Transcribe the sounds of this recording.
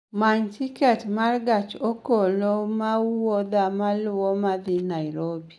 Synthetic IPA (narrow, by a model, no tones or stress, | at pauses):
maɲtikɛtmarɡat͡ʃokolomauwod̪amalʊwɔmad̪ɪnaɪɾobi